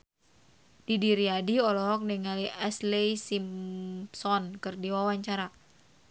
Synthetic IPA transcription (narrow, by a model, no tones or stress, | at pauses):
d̥idiɾiadiɔlɔɦɔk̚niŋaliʔɛslɛjsimsɔnkɨrdiwawaɲt͡ʃaɾa